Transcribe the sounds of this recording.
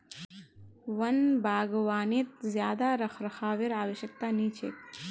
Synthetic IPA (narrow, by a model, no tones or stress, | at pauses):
ʋənbʱaːɡʋaːnit̪̚zjaːd̪aɾəxʰɾəxʰaːʋeɾaːʋəʃjək̚t̪aːnit͡ʃʰeːk